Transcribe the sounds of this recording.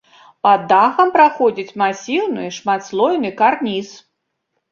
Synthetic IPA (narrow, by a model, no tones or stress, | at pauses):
pɐd̪ːaxɐmpɾaxɔd͡zʲit͡sʲmasʲiwnɨjʂmat̪slˠɔjnɨkarnʲis